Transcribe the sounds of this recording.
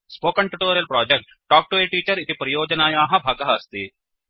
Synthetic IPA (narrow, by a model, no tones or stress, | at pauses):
spoːkɐɳʈuʈoːɾiɐlpɾaːd͡ʒek̚ʈːaːk̚ʈueːʈiːt͡ʃɐɾit̪ipɐɾɐjɔːd͡ʒɐnaːjaːɦɐbʱaːɡɐɦaːst̪i